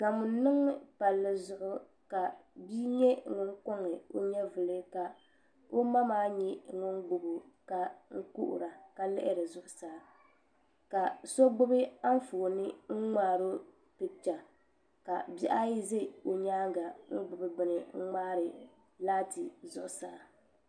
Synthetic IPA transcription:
ka˨mʊ˨˦nɨ˦ŋ˦pa˨lːɨ˦zʊ˦ʔʊ˦ | ka˨bi˦ɲɛ˦ŋʊ˦ŋko˦ŋɨ˨o̰˦ɲɛ˦vɨ˨lɨ˦ka˨ | o˦ma˦maː˦ɲɛ˦ŋʊ˦ŋɡ͡bʊ˨bʊ˨ | ka˨ŋ̩˦ku˦ʔʊ̰˨ɾa˨ka˦lɛ̰˦ʔɪ˦ɾɨ˨zʊ˦ʔʊ˨saː˨˦ | ka˨so˦ɡ͡bʊ˦bɪ˦a˦ɱ˦foː˨nɪ˦ŋ̩˦ŋ͡maː˦˨ɾo˦ | pɨ˨t͡ʃa˨ | ka˨bi˦ʔa˦ji˦ze˦˨o˨ɲaː˦ɡa˨ŋ̩˦ɡ͡bʊ˨bɨ˦bɪ˨nɪ˨ŋ̩˦ŋ͡maː˦ɾɨ˨ | laː˦tɪ˨zʊ̰˦ʔʊ˨saː˨

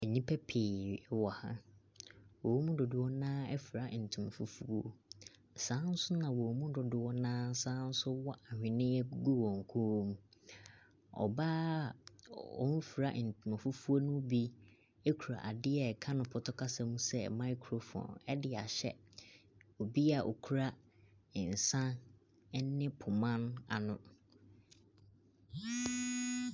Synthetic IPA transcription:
ɛ˨ɲĩ˦pʰɛ˦pʰeː˨wɔ˨hã̰˦ | wɔ˨˦mũ˦dʊ˨dɪ˨wɔ˦nãː˦ɛ˦fu˨ɾa˦˨n̩˨tʰũ˨ma˨fu˦fu˦o˦ | sãː˦n̩˦sʊ˦nã˨wɔ˨mũ˦dʊ˨dɪ˨wɔ˦nãː˦sãː˦n̩˦sʊ˦wɔ˦ʔa˨hᶣɪ̃˨nɪ̃˦ɛ˦ɡu˦wɔ̃˨ŋ˨kʰu˦mũ˦ | ɔ̰˨baː˦ | ɔ̰˦˨n̩˦fu˨ɾa˨ʔn̩˨tu˨mã˨fu˦fu˦o˦nũ˦bi˦ | e˦kʰu˨ɾa̰˨ʔa˨dɪ˦ɛ˦˨kʰã˦nʊ̃˨pʰɔ˨tʰɔ˦kʰa˦sã˨mũ˦sɛ˦mã˦i˦kʰɾo˨fɔ̰̃˨nɛ˦dɪ˨a̰˨ɕɛ̰˦ | o˨bi˦a˨ʔo̰˨kʰu˦ɾa˦˨ | n̩˨sã˦ | ɛ˦ɪ̃˦pʰʊ˨mã˦na̰˨nʊ̃˦

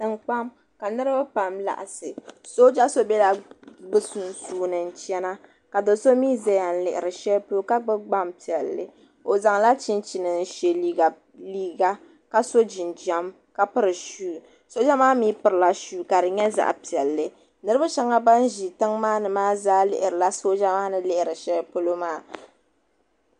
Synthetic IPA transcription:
tɨ˨ŋk͡pa˦m | ka˨nɨ˦ɾɨ˦ba˦pa˨mla̰˨ʔa˨sɨ˨so˦d͡ʒa˦so˦bɛ˦la˨ɡ͡bɨ˦su˨n˨suː˨˦nɨ˨n̩˨t͡ʃɛ˦na˦ | ka˨dɨ˨˦so˦miː˦zɛ˦ja˨n̩˦lɪ˨ʔɪ˨ɾɨ˨ʃɛ˦lpo˦ka˦ɡ͡bɨ˦ɡ͡ba˦mpi˨ɛ˨lːɨ̰˦ | o˨za˨ŋ˨la˦t͡ʃi˦nt͡ʃi˨nɨ˨n˦ʃe˨li˦ɡa˨ | liː˦ɡa˦ | ka˦so˦d͡ʒi˨nd͡ʒɛ˦m | ka˦pɨ˦ɾɨ˨ʃuː˦˨ | so˦d͡ʒɛ˦maː˦miː˦pɨ˨ɾɨ˨la˦ʃuː˦ka˨dɨ˨ɲɛ˦za̰˦˨ʔpi˨ɛ˨lːɨ˦ | nɨ˦ɾɨ˦ba˦ʃɛ˦ŋa˦ba˦n˦ʒi˨tɨ˦ŋmaː˦nɨ˨maː˦zaː˦lɪ̰˨ʔɪ˨ɾɨ˨la˦so˦d͡ʒa˦maː˦nɨ˦lɪ˦ʔɪ˨ɾɨ˨ʃɛ˦po˦lo˦maː˦˨

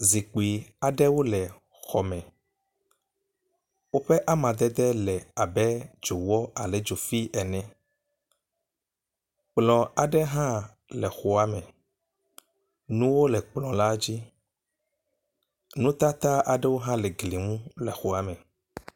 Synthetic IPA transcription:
zi˨k͡pi˨a˨ɖɛ˦wo˦lɛ˨ | xɔ˨mɛ̃˨ | wo˦ɸɛ˦ʔa˦mã˨d̪ɛ˦d̪ɛ˦lɛ˨a˨bɛ˦d͡ʒo˨wɔ˦a˨lɛ˨d͡ʒo˨fi˦ʔɛ˨nɛ̃˦ | k͡plɔ̃˨a˨ɖɛ˦ɦã˦ | lɛ˨xo˨a˨mɛ̃˨ | nũ˦wo˦lɛ˨k͡plɔ̃˨la˦d͡ʑi˦ | nũ˦t̪a˦t̪a˦ʔa˨ɖɛ˦wo˦ɦã˦lɛ˨ɡli˨ŋũ˦lɛ˨xo˨a˨mɛ̃˨

